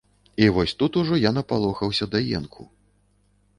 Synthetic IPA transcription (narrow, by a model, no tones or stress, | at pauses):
ivɔsʲt̪ut̪uʐɔjanɐpalˠɔxɐwsʲɐd̪ɐjɛ̰nkʰṵ